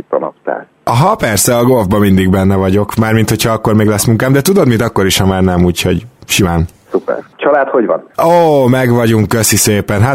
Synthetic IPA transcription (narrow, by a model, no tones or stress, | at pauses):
t̪ɒnɒ̰pt̪a̰ːl | ɒɦɒpɛrsɛɒɡo̞lvbɒmind̪iɡbɛnːɛvɒɟo̞kmaːrmint̪hochɒɒkːo̞rmeːɡlɛsmuŋkaːmd̪ɛt̪ud̪o̞d̪mint̪ɒkːo̞ɾiʃhɒmaːrnɛmuːcho̞̰ɟʃimaːnsupɛ̰ɾt͡ʃʰɒlaːt̪hoɟvɒ̰noːmɛɡʋɒɟuŋkkøsiseːpɛnɦa